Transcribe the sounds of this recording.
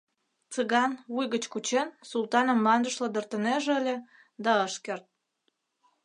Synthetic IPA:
t͡səɣɑnvujɣət͡ɕkut͡ɕensulˠt̪ɑnə̆mːɑnd̪ə̆ʃlə̆d̪ərt̪ə̆neʒəlʲe | d̪ɑəʃkert̪̚

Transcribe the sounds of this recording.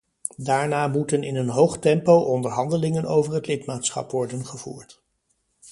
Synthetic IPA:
daːɹnaːmutənɪnənɦowχtɛmpowʔɔndəɹɦɑndəlɪŋənowvərɦətlɪtmaːtsχɑ̰pʋɔɹdənχəv̥ṵːɹt

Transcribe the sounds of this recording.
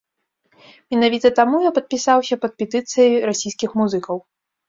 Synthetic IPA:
mʲɛnavʲit̪ɐt̪amujapɐt̪̚pʲisawsʲɐpɐt̪̚pʲɛt̪ɨt̪sɨjɐjɾasʲijskʲixmuzɨkɐw

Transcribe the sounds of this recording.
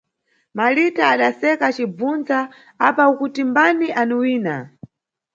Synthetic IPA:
malitaːɗasɛkat͡ʃib͡vund͡za | apaukutimbaniʔaniwiːna

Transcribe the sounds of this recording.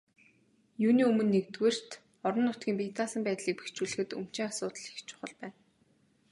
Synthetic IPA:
juːniːɵmɵ̆nːekt̪weːr̥t̪ | ɔɾɞ̆nːʊt̪̚ɡʲiːmpʲiːt̪ʰaːsə̆mpæːt̪ɮiːk̚pe̥xt͡ɕuɮɘ̆xɘ̆t̪ɵ̰m̥t͡ɕĭŋasʊːt̪ə̆ɮi̥xt͡ɕʊ̥χə̆ɮpæːn

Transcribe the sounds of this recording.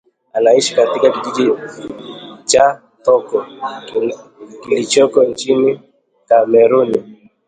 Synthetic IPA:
anaiʃi̥katikakid͡ʒid͡ʒi | t͡ʃa | tɔkɔ | kilit͡ʃɔkɔnt͡ʃini | kamɛɾuni

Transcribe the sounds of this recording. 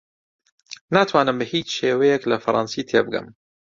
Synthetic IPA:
nat̪ʰwaːnɨmbɨhiːt͡ʃʃeːwɐjɛklɐfɐɾˤʔɑ̰ːnsiːt̪ʰeːbɨɡɨ̰m

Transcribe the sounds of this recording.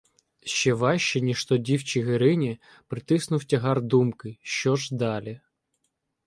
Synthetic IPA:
ʃt͡ʃɛʋɑʃt͡ʃɛnʲiʃt̪ɔdʲiwt͡ʃiɦɪɾɪnʲi | pɾɪt̪ɪsnʊwtʲɐɦɑrd̪umkɪʃt͡ʃɔʒd̪ɑlʲi

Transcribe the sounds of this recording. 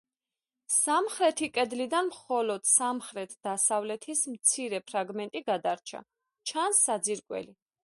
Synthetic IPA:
samχɾɛt̪ʰikʼɛd̪lid̪anmχɔlɔd̪̥samχɾɛt̪ʰd̪̥asavlɛt̪ʰismt̪sʰiɾɛpʰɾaɡmɛnt̪ʼiɡad̪aɾt͡ʃʰa̰ | t͡ʃʰansːad̪ziɾkʼwɛ̰li

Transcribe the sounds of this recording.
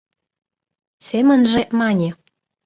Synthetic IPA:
semə̆nʒemɑnʲe

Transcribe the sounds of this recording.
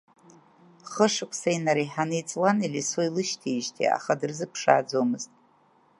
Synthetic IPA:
χəʂɨkʷʰʼsainaɾiħanɨjt͡sʼwanilʲisoilɨʃtʰiːʃtʰḭa̰χadɨrzɨpʰʂa̰ːd͡zomɨztʼ

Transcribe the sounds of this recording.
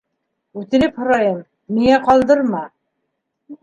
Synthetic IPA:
ʉt̪ɘ̆lɘphŏɾɑjɤmː | iŋæqɑlˠd̪ɤɾmɑ

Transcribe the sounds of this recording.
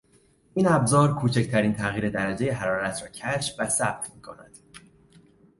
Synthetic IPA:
ʔiːnæbzɒːɾkʰuːt͡ʃʰect̪ʰæɾiːnt̪ʰæɣiːɾe̞d̪æɾæd͡ʒe̞je̞ɦæɾɒːɾæt̪ʰɾɒːcʰæʃvæsæb̥̚t̪ʰmiːkʰo̞̰næ̰d̪̥

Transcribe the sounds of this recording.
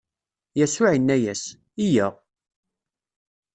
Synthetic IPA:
jæsʊʕinːæjæs | ijæ

